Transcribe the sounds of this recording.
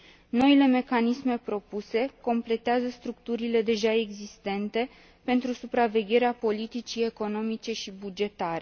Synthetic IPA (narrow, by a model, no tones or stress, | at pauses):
no̞ile̞me̞kanisme̞pɾo̞puse̞ko̞mple̞t̪eazəst̪ɾukt̪uɾile̞d̪e̞ʒae̞ɡzist̪e̞nt̪e̞ | pe̞nt̪ɾusupɾave̞ɡʲe̞ɾeapo̞lit̪it͡ʃie̞ko̞no̞mit͡ʃe̞ʃibud͡ʒe̞t̪aɾe